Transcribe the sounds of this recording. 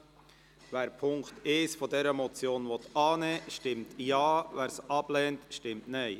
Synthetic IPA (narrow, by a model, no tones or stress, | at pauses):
væːɾpʰʊŋkteːsfɔdɛɾəmɔt͡sjoːnvɔt̪ɑːnɛːʃtɪmtjɑːvæːɾsɑb̥lɛːntʃtɪmtnɛɪ